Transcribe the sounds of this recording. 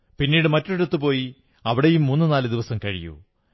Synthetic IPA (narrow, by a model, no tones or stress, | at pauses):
pinːiːɽɨmɐtːoiɾut̪ːɨpo̞ːji | ɐʋiɽejumːunːɨnaːlɨd̪iʋɐsɐmkɐɻḭjṵ